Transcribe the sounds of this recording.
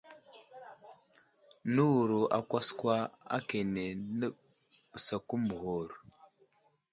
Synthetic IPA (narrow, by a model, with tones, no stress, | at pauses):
nə˦wu˨ɾu˨ʔa̰˨kʷa˦skwa˦a̰˦ke˨ne˨nə˦ | b̥ə˨sa˨ku˦mu˨ho˦˨ɾ